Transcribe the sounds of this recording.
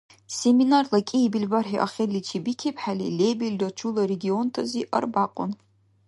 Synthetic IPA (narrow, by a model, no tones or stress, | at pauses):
seminarlɐkʼebilbarħiʔɐ̰χʲelit͡ʃʰibikʰepħalḭlebildɐt͡ʃʰulˠɐɾeɡʲiontʰɐziʔɐ̰rbaːqʷʼɔ̰n